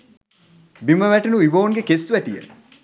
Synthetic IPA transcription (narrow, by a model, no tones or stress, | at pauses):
biməʋæʈenuiboːŋɡekesʋæʈijə̰